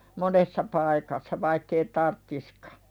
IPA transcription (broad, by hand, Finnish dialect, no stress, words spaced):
monesːɑ pɑikɑsːɑ ʋɑikː ei tɑrtːiskɑ̥